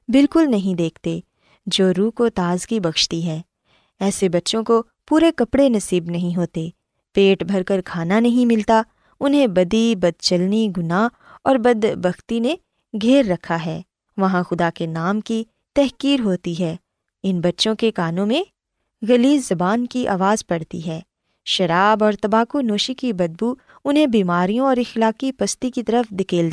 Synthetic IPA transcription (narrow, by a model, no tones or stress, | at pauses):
bɪlkʊlnɐɦĩd̪eːkʰt̪e | d͡ʒoːɾuːkot̪aːzkibɐkʃt̪iɦɛː | ɛːsebɐtːʃõko | puːɾekɐpɽenɐsiːbnɐɦĩɦoːt̪e | peːʈbʱɐɾkɐɾkʰaːnanɐɦĩmɪlt̪a | ʊnɦẽbɐd̪ibɐd̪̚t͡ʃɐlniɡʊna | ɔːɾbɐd̪bɐxt̪ine | ɡʱeːɾːɐkʰaɦɛː | ʋɐɦãxʊd̪akenaːmki | t̪ɛɦkiːɾɦoːt̪iɦɛː | ɪnbɐtːʃõkekaːnõmẽ | ɣɐlizɐbaːnkiʔa̰ːʋaːzpɐɽ̤t̪ḭɦɛː | ʃɐɾaːbɔːɾt̪ɐbaːkunoːʃikibɐd̪̚bu | ʊnɦẽbiːmaːɾijõɔːɾɪxlaːkipɐst̪ikit̪ɐɾəfd̪ɪkeːld̪ː